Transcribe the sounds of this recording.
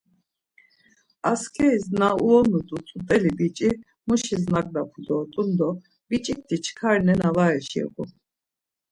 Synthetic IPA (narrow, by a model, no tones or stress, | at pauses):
askʰɛiznauɔnut̪ʼut̪ʼut̪ʼɛlibit͡ʃʼi | muʃiznakʼd̪apʰud̪ɔt̪ʼund̪ɔ | b̥it͡ʃʼik̚t̪ʰit͡ʃʰkʰaɾnɛnavaɛʃɛ̰kʼu